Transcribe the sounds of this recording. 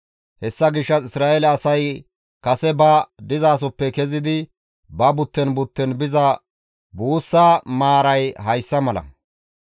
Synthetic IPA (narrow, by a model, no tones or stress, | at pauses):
hɛsːɐɡɪʃːɐsɪsɾaːʔelɐːsɐj | kɐsɛbɐd̪ɪzaːs̬ɔpːɛkɛzɪd̪ɪ | bɐbʊt̪ːɛnbʊt̪ːɛnbɪzɐ | buːsːamaːɾɐjɦɐjsːɐmɐlɐ̰